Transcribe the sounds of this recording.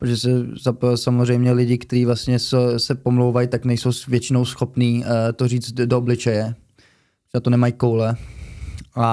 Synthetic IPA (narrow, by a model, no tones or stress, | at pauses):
pɾoʒɛsɛzapsamozr̝ɛjmɲɛlɪɟɪkt̪ɛɾiːvlast̪ɲɛsɛsɛpo̞mlowvajt̪aknɛjso̞wsvjɛt͡ʃɪno̞wsxo̞pniːt̪oriːt͡sdooblɪt͡ʃɛjɛ | oʒɛnat̪onɛmajkowlɛ | ʔa